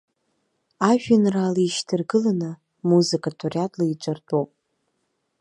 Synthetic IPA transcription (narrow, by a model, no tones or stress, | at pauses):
aʒᶣanraːlaiʃtʰɨrɡɨlanɨ | muzɨkʼatʰorjatʼlait͡ʃʷʼartʼowpʼ